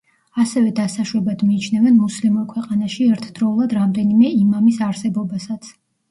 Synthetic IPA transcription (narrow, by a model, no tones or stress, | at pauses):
asɛvɛd̪asaʃɾɛbad̪miːt͡ʃʰnɛvɛnmuslimuɾkʰwɛqʼanaʃiɛɾt̪ʰd̪̥ɾɔulˠad̪ɾamd̪ɛnimɛimamisaɾsɛbɔbasat̪sʰ